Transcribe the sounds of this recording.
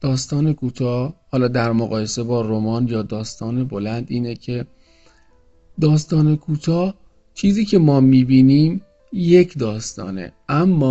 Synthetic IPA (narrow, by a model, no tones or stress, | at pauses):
d̪̥ɒːst̪ɒːne̞kʰuːt̪ʰɒːhhɒːlɒːd̪æɾmoɣɒːje̞se̞bɒːɾomɒːnjɒːd̪ɒːst̪ɒːne̞bo̞lænd̪ʔiːnecʰe̞ | d̪ɒːst̪ɒːne̞kʰuːt̪ʰɒː | t͡ʃʰiːziːcʰe̞mɒːmiːbiːniːm | je̞cʰd̪ɒːst̪ɒ̰ːnḛʔæmːɒː